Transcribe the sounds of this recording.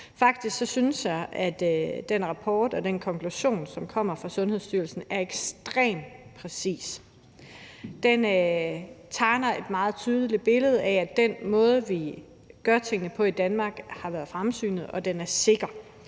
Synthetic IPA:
fɑ̈ɡ̥d̥isɡ̥sɒ̽syn̩sjɑ̈ɪʔæd̥d̥enʁɑ̈pʰɒːd̥ɒ̽d̥enkʰɒ̽ŋkʰluɕo̝̰ːnsɒ̽mkʰɒ̽m̰ɐfʁɑ̈sɔ̽nhe̝ð̞̰ˠsd̥yɐlsn̩æɐeɡ̥sd̥ʁɛ̰ːmpʰʁɛsḭːs | d̥en | t͡sʰɑ̈ɪnɐe̝d̥mɑ̈ːð̞̩ˠt͡sʰyːð̞ˠəlib̥e̝ləð̞̩ˠææ̥enmɔ̽ːðˠʋi | ɡ̥ɶɐt͡sʰe̝ŋ̰ənəpʰɒ̽id̥ænmɑ̈ːɡ̥hɑ̈ʋæːɐð̩ˠfʁamsy̰ːnð̩ˠɒ̽d̥enæɐse̝ɡ̥ɐ

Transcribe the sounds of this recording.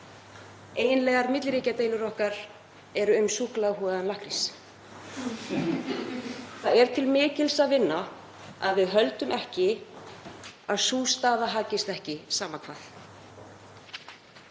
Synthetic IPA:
eːjnlɛɣaɾmɪt̪lɾiːcat̪eːjlʏɾɔhkaɾ̥ | ɛɾʏʏmsuhklaɦɔːðanlahkɾis | θaðɛɾ̥t̪ʰɪlmɪːcɪlsaðvɪnːa | aðvɪðɦœlt̪ʏmʔɛhcɪ | aðsuːst̪aːðaɦaːcɪst̪ɛhcɪsaːmakʰva̰ːθ

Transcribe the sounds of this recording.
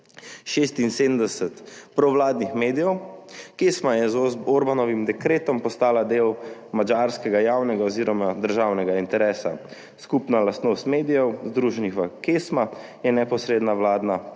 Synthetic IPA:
ʃeːst̪inseːd̪m̩d̪ɛsɛt̪pɾɔʋlaːd̪nixmeːd̪ijɛwkeːsmajɛzoɾbanɔʋimd̪ɛkɾeːt̪ɔmpɔst̪aːlad̪eːwmad͡ʒaɾskɛɡajawnɛɡaɔziːɾɔmad̪əɾʒaːwnɛɡaint̪ɛɾɛːsa̰ | skupnalast̪noːst̪meːd̪ijɛwzd̪ɾuːʒɛnixʋakesma | jɛnɛpɔsɾeːd̪naʋlaːd̪na

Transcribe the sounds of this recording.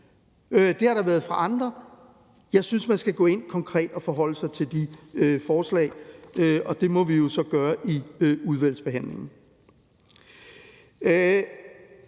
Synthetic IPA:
ød̥e̝hɑ̈ɾɑ̈ʋæːɐð̞ˠfʁɑ̈ʔɑ̈nd̥ʁɐ | jɑ̈ɪsynsmænsɡ̥æɡ̥ɔ̰̽ːe̝n̰kʰɒ̽ŋkʰʁɛ̰ːd̥ɒ̽fɒ̽ɦɒ̽l̰əsɑ̈ɪt͡sʰe̝ld̥iøfɒːslɛ̰ɪøɒ̽d̥e̝mɒ̽ʋijo̝sɒ̽ɡ̥ɶːɐʔiøuð̞ˠʋæl̰sb̥e̝ɦæn̰le̝ŋn̩

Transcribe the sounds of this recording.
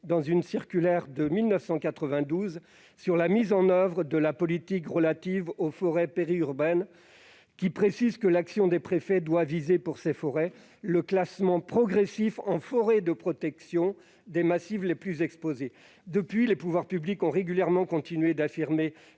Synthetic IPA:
d̪ɑ̃zynsiʁkʲylɛʁd̪əmilnəfsɑ̃kat̪χəvɛ̃d̪uz | syʁlamizɑ̃nœvʁəd̪əlapɔlit̪ikʁəlat̪ivofɔʁɛpeʁiyʁbɛn | kʲipχesizkəlaksjɔ̃d̪epχefɛd̪wavizepuʁsefɔʁɛ | ləklasmɑ̃pχɔɡʁɛsifɑ̃fɔʁɛd̪əpχɔt̪ɛksjɔ̃ | d̪emasivleplyzɛkspoze | d̪əpɥilepuvwaʁpyblikɔ̃ʁeɡʲyljɛʁmɑ̃kɔ̃t̪inɥed̪afiʁme

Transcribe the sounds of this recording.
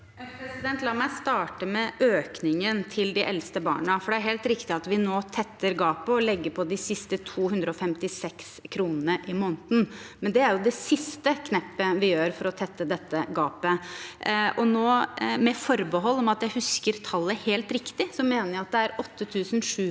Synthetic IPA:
pʰɾɛsɪd̪ɛnt̪lɑːmæɪst̪ɑːʈəmɛʔøːknɪŋənt̪ʰɪld̪ɪʔɛlst̪əbɑ̰ːɳəfɔɖɛæɾɦɛːlt̪ɾɪkt̪ɪɑt̪ʋɪnoːt̪ʰɛt̪ʰːəɾɡɑːpəɔlɛɡːəpʰɔd̪ɪsɪst̪ət̪ʰuːhʉnd̪ɾəɔfɛmt̪ɪsɛkskʰɾuːnənəʔɪmoːnt̪n̩mɛnd̪ɛæɾjʊd̪ɛsɪst̪əkʰnɛpːəʋɪjøːɾfɔɾɔt̪ʰɛt̪ːəd̪ɛt̪ːəɡɑːpə | ʔɔnoːmɛfɔɾbəɦɔlːɔmɑt̪jæɪhʉskəɾt̪ʰɑlːəheːlt̪ɾɪkt̪ɪsɔmeːnəjæɑt̪̚d̪ɛæɾɔt̪ʰːət̪ʰʉːsən̩ʂʉː

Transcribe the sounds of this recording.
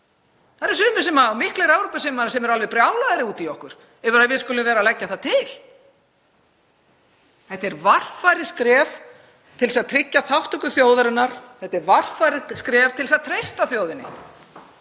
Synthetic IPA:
θaɾɛɾ̥sʏːmʏ̥sɛmaːwmɪhklɛɾawɾupasɪmaasɛmɛɾalvɛpɾjawlaðɾɪuːt̪iɔhkʏɾ̥ | ɛvʏɾaðvɪðskʏlʏmvɛːɾalɛcːaθat̪ʰɪl | θɛht̪ɛɾvar̥faɾɪskɾɛːf | t̪ʰɪlsaðt̪ʰɾɪcːaθawht̪ʏkʏθjoːwðaɾɪnːaɾ̥θɛht̪ːɛɾvar̥fajɾɪskɾɛːvt̪ʰɪlsaðt̪ʰɾejst̪aθjoːwðɪnːɪ̰

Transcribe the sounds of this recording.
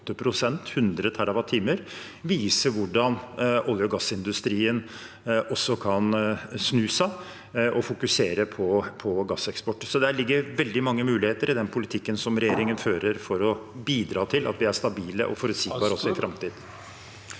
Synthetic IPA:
t̪ːəpʰɾʊsɛnt̪hʉnd̪ɾət̪ʰæɾɑʋɑt̪ʰiːməɾ | ʋiːsəʋʊɖɑnɔljʊɡɑsːɪnd̪ʉst̪ɾiːən | ɔsːɔkʰɑnsnʉːsæɪ | ʔɔfʊkʉseːɾəpʰɔpʰɔɡɑsɛkspɔʈːsɔd̪ɛæɭɪɡːəɾʋɛld̪ɪmɑŋːəmʉːlɪheːt̪əɾɪd̪ɛnpʰʊlɪt̪ʰɪkːənsɔmɾɛjeːɾɪŋənføːɾəɾfɔɾɔbiːd̪ɾɑːt̪ʰɪlʔɑ̰t̪ʋɪæʂt̪ɑbiːlə̰ʔɔ̰fɔɾʉt̪siːɡbɑːɾɔsɔɪfɾɑmt̪iːd̪̩

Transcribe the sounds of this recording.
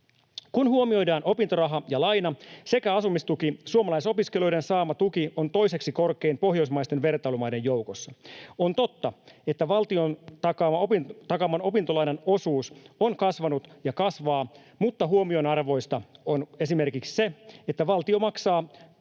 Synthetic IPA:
kunhuomio̞jdɑːnʔo̞pint̪orɑɦɑjɑlɑjnɑse̞kæɑsumist̪ukisuomɑlɑiso̞piskelojɾensɑːmɑt̪ukiont̪o̞ise̞ksiko̞rke̞impo̞ɦjo̞ismɑist̪e̞nʋe̞rt̪ɑlumɑjde̞jjowkosːɑont̪o̞t̪ːɑe̞t̪ːæʋɑlt̪iont̪ɑkɑːmɑopit̪ɑkɑmɑno̞pint̪olɑjnɑno̞suːsonkɑsʋɑnut̪jɑkɑsʋɑː | mut̪ːɑɦuomio̞nɑrʋo̞jst̪ɑone̞sime̞rkiksse̞et̪ːæʋɑlt̪io̞mɑksɑː

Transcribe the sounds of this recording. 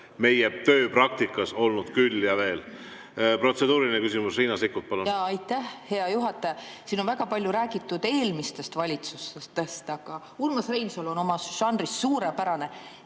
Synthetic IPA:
me̞jɛt̪ø̞ːpɾɑk̚t̪ikːˑɑso̞lnud̪̥kylːjɑve̞ːl | pro̞t̪se̞d̪̥uːɾiinekysimusriːnɑsikːut̪̚pɑlunɑɑjt̪ːˑæhhe̞ɑjuɦɑt̪ːˑɑjɑsiːno̞nvæɡɑpɑlʲjuɾæːɡ̥it̪ːˑud̪̥e̞ːlmist̪e̞st̪vɑlʲit̪sust̪est̪e̞st̪ɑɡ̥ɑ | ulmɑsrejnsolo̞no̞mɑsʃɑnd̪risːuːɾepæɾɑne̞

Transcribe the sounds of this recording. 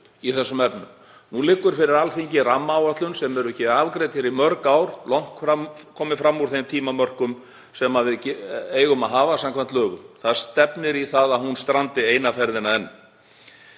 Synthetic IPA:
iθɛsːʏmɛpnʏm | nulɪkːʏɾ̥fɪɾɪɾalθiɲcɪramːaːwat̪lʏnsɛmɛɾʏɛcːɪaːvkɾeːt̪ɪɾimœɾkawɾlawŋ̥kfɾamkʰːɔːmɪfɾamːuɾ̥θejmt̪ʰiːmamœr̥kʏm | sɛmaðvɪðceːjɣʏmaðɦaːvasamkʰvant̪lœːɣʏmθaðst̪ɛpnɪɾiθaðaðhunst̪ɾant̪ɪeːjnafɛɾðɪnaðɛnːʏ

